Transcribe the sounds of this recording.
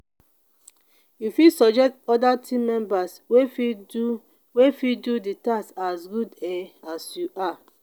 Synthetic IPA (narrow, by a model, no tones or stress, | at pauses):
jufisɔd͡ʒɛk̚tɔdatʰĩmɛ̃mbas | we | wefiduditasasɡudɛasjuʔa